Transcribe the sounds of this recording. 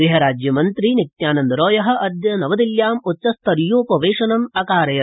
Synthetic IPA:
ɾiɦɐɾaːd͡ʒjɐmɐnt̪ɾinik̚t̪jaːnɐnd̪ɐɾoːjɐɦɐ̆ʔɐd̪jɐnɐʋɐd̪iljaːmutːt͡ʃɐst̪ʰɐɾjoːpɐʋeːʂɐnɐmɐkaːɾɐjɐ

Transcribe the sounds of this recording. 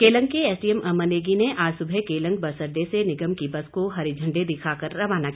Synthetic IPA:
keːlə̃ŋɡkːeɛːsʈiemɐməneːɡineʔaːsʊbʱekeːlə̃ŋɡ̚bɐsəɾd̪esenɪɡəmkibɐskoɦɐɾid͡ʒʱɐ̃ɳɖed̪ɪkʰaːkɐɾːɐʋaːnakː

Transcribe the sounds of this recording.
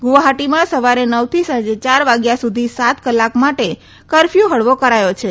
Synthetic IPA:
ɡuʋaɦaʈimãsəʋaɾenəwt̪ʰisə̃nd͡ʒet͡ʃaɾʋaɡjasud̪ʱisat̪kəlːakmaʈe | kəɾfjuɦəɽʋokəɾajot͡ʃʰe

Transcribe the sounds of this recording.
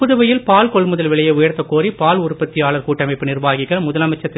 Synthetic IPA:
pʊðɐʋɐjɪlpaːlkɔɭmʊðɐlʋɪɭɐjɐʊjɐɾt̪ːɐkːoːɾipaːlʊrʊpːɐt̪ːɪjaːɭɐɾkuːʈːɐmɐɪpːɯnɪrʋaːɣɪɣɐɭmʊðɐlɐmɐt͡ʃːɐt̪ː

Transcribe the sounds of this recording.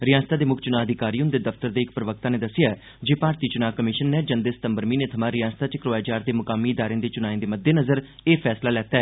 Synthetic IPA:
ɾɪjaːst̪aːd̪eːmʊkʰt͡ʃʊnaːəd̪ʱɪkaːɾiːʊnd̪eːd̪əft̪əɾd̪eːɪk̚pɾəʋək̚t̪aːneːd̪əsɪjaː | d͡ʒeːpaːɾt̪iːt͡ʃʊnaːkəmɪʃənːeːd͡ʒənd̪eːsə̥t̪əmbəɾmiːneːt̪ʰəmãːɾɪjãːnst̪aːt͡ʃəkɾoːaːd͡ʒaːɾd̪eːmʊkaːmːiːɪd̪aːɾẽːnd̪eːt͡ʃʊnaːĩnd̪eːməd̪ːeːnəzəɾ | eːpʰɛːslaːlɛːt̪aɛː

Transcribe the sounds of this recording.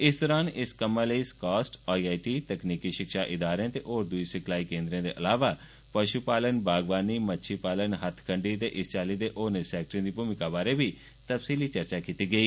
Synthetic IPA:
ɪsd̪ɔːɾaːnɪskəmːãləiskaːsʈaːiaːiʈiːt̪əkniːkiːʃɪkʃaːʔɪd̪aːɾẽːt̪eːʔoːɾd̪ʊisɪkʰlaːiːkẽːnd̪ɾẽːd̪ḛːʔəlaːʋaː | pəʃupaːlənbaːɡʋaːniːmətːʃʰiːpaːlənɦət̪ʰkʰəɳɖiːt̪eːʔɪst͡ʃaːliːd̪eːʔoːnesɛːk̚ʈɾĩːd̪iːpuːmɪkaːbaːɾeːbiː | t̪əpsiːliːt͡ʃəɾt͡ʃaːkiːt̪iːɡəiː

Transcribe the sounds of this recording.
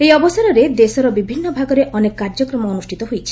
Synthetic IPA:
ejɔbɔsaɾɔɾed̪esɔɾɔbibʱinːɔbʱaɡɔɾeʔɔnekɔkaɾd͡ʒɔkɾɔmɔɔnusʈʰit̪ɔɦojt͡ʃʰi̥

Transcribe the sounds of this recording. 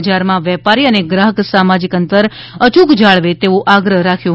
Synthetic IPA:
d͡ʒaɾmãʋɛpaɾiəneɡɾaɦəksamad͡ʒikənt̪əɾ | ət͡ʃukd͡ʒaɭʋet̪eoʔaɡɾəɦɾakʰjõ

